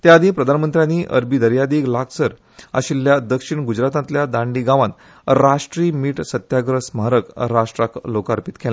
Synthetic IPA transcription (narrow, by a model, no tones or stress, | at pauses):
t̪jaːd̪ʱĩːpɾəd̪ʱanmənt̪ɾjaniːʔə̰ɾbiːd̪əɾjad̪iːɡlakʰsəɾ | a̰ɕilːjad̪əkʂiɳɡud͡ʑɾat̪ãnt̪ljad̪ãɳɖiɡaʋãt̪ | ɾaʂʈɾiːmiːʈsət̪jaɡɾəsmaɾəkɾaʂʈɾaklokaɾpit̪kʰela